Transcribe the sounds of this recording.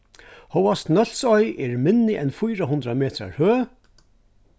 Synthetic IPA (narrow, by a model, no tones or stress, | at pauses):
hɔwast̪nœl̥sɔjʔɛɹmɪnːɪʔɛnfujɾaɦʊnd̪ɾamɛːt̪ɾa̰ɹhøː